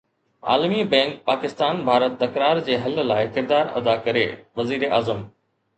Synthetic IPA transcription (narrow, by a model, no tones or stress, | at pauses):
a̰ːlmibɛ̃ːŋk̚paːkɪst̪aːnbʱaːɾət̪ːɐkɾaːɾd͡ʑeːɦɐllaːɪkɪɾd̪aːɾɐ̰d̪akɐɾḛːʋɐziːɾeʔa̰ːzəm